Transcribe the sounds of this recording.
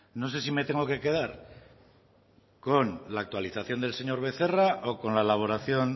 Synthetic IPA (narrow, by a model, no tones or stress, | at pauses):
no̞se̞sime̞t̪e̞ŋɡo̞ke̞ke̞ð̞aɾ | ko̞nlaːk̚t̪waliθaθjo̞nd̪e̞lse̞ɲo̞ɾβ̞e̞θe̞raʔoko̞nlaelaβ̞o̞ɾaθjo̞n